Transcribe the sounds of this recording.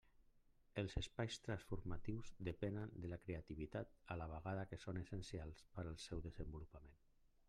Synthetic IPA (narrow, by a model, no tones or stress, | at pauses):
əlˠzəspajst̪ɾansfuɾmat̪iwzðəpɛnənd̪əlakɾeat̪iβ̞it̪at̪alaβ̞aɣaðakesonəsənsialˠspəɾalˠsɛwðəzəmbulupamen